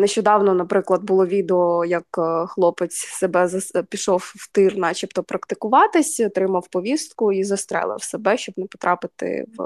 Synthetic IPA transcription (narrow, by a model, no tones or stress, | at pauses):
neʃt͡ʃɔd̪ɑwnɔnɐpɾɪklˠɐd̪̚bʊlˠɔʋʲid̪eɔjɐkxlˠɔpɪt͡sʲsebɛzɐpʲiʃɔwːt̪ɪrnɑt͡ʃipt̪ɔpɾɐkt̪ɪkʊʋɑt̪ɪsʲɔt̪ɾɪmɐwpɔʋʲist̪̚kʊizɐst̪ɾɛ̰lˠɪ̰wsebɛʃʲt͡ʃɔbnɛpɔ̥t̪ɾɑpɪt̪ɪ̰w